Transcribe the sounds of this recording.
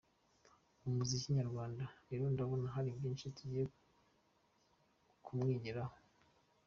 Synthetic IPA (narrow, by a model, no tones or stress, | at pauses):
umuziciɲaɾɡwaːndaɾeɾo̞ndaβo̞naɦaɾibɟiːnʃituɟije | kʰumŋiːɟiɾaho